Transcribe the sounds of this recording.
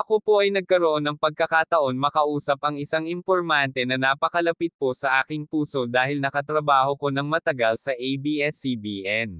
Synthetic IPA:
ʔɐko̞po̞ʔɐjnɐɡ̚kɐɾoʔo̞nːɐŋpɐɡ̚kɐkat̪ɐʔo̞nmɐkɐʔuːsɐp̚ɐŋɪsaŋɪmpo̞ɾmant̪ɛnɐnaːpɐkɐlɐpit̪̚po̞sɐʔaːkɪŋpuːso̞d̪aːhɪlnɐkɐt̪ɾɐbaːho̞ko̞nɐŋmɐt̪ɐɡɐlsɐʔejbiʔɛsibiːʔɛn

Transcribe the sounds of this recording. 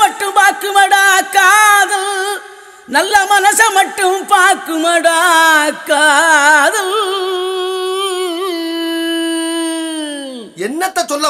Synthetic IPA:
ɐʈːɯmpaːɾkɯmɐɽaːkːaːðɐl | nɐlːɐmɐnɐsɐmɐʈːɯmpaːɾkɯmɐɽaːkːaːðɐl | ɛnːɐt̪ːɐt͡ʃɔlːɐ

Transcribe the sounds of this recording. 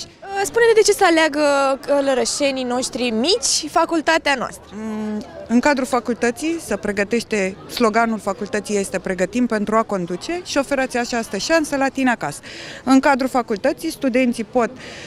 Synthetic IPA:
spunesʲd̪e̞t͡ʃe̞səaleaɡəkələɾəʃe̞nino̞ʃt̪ɾimit͡ʃʲfakult̪at̪eanoa̰st̪ɾə | ɨŋkad̪ɾufakult̪ət̪sijsəpɾe̞ɡət̪e̞ʃt̪e̞slo̞ɡanulfakult̪ət̪sije̞st̪e̞pɾe̞ɡət̪impe̞nt̪ɾuako̞nd̪ut͡ʃe̞ʃio̞fe̞ɾatsʲat͡ʃast̪əʃansəlat̪ineakasə̥ɨŋkad̪ɾufakult̪ət̪sijst̪ud̪e̞nt̪sipo̞t̪̚

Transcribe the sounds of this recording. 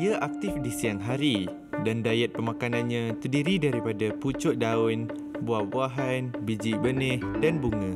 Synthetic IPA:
iaʔak̚t̪ɪfdisiaŋɦaɾi | dandajɛt̪̚pəmãkanãnɲãt̪ərdiɾidaɾipadaput͡ʃʊʔ̚daʊn | buahbuaɦanbid͡ʒibənɪhdanbuŋã

